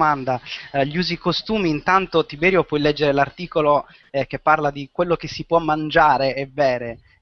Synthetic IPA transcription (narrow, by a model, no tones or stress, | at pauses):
mand̪aʎiuːzikost̪uːmiːnt̪ant̪ot̪ibɛːɾjopwɔjlɛd͡ʒːeɾelart̪iːkolo | k̟epːarlad̪ikwelːok̟esːipwɔmːand͡ʒaːɾeɛvɛːɾe